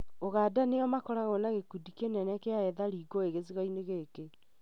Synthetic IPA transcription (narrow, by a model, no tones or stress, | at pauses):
oɣadaneɔmakɔɾaɣɔnaɣekudikenɛnɛkeaɛðaɾiːɡɔeɣezeɣaineɣeke